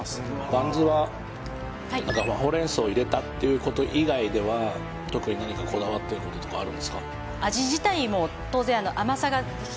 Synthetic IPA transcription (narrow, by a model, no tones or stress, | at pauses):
bãnzɨβa | anãŋkaaɦo̞ɾẽ̞ɰ̃sɨoiɾe̞t̪at̪ːe̞jɯ̟ːko̞t̪o̞ʔiɡaid̪e̞βa | t̪o̞kɯ̟ɲ̟inaɲ̟ikakʰo̞d̪aβat̪ːe̞ɾɯ̟ko̞t̪o̞t̪okaːɾɯ̟nd̪e̞sɨ̥ka | aʑiʑit̪aimo̞ | t̪o̞ːzẽano̞ʔamasaɡa